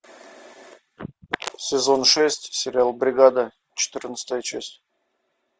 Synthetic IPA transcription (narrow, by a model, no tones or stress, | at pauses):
sʲɪzo̞nʂɛsʲtʲsʲɪɾʲɪalˠbɾʲɪɡad̪ə | t͡ɕɪ̥t̪ɨrnət̪st̪əjət͡ɕasʲtʲ